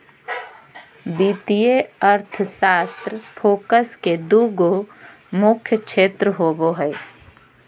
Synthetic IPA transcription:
biːt̪ijeəɾt̪ʰəʃaːst̪ɾəfʰoːkəsked̪uːɡo | mʊkʰjəkʃʰeːt̪ɾəɦoːboɦɛː

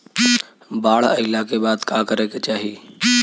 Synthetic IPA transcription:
baːɽəɪlakebaːd̪kakəɾeket͡ʃaːɦi

